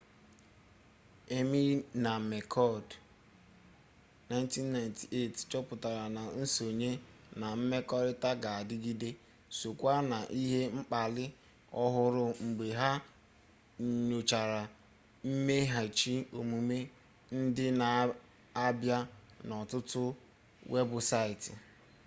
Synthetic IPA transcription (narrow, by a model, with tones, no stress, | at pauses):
e˦mi˦na˨me˨kʰɔ˦˨d | na˨˦n˦ti˦nːa˨jnti˨e˦˨tt͡ʃɔ˦pʊ˨ta˨ɾa˨na˨n̩˦so˨ɲe˦ | na˨m̩˦me˦kɔ˦dta˦ɡa˨a˨dɪ˦ɡi˦de˦ | so˨kʷa˦na˨ʔi˦ɦe˦ŋ͡m̩˦k͡pa˨lɪ˦ | ɔ˦ɦʊ˦ɾʊ˦ŋ͡m̩˨ɡ͡be˨ɦa˦˨ | ɲo˨t͡ʃa˨ɾa˨ | m̩˦me˦ɦa˨t͡ʃi˦o˨mu˨me˦ | n̩˦dɪ˦na˨ | a˦bja˦nɔ˨tʊ˦tʊ˦ | we˦bʊ˨sa˦ɪ˨tɪ˨